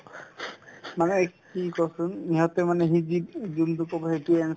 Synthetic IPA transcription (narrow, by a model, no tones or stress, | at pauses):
manɛkikɔsuniɦɔt̪emanɛɦid͡ʒidd͡ʒunt̪ukɔbɔɦeʈiɛn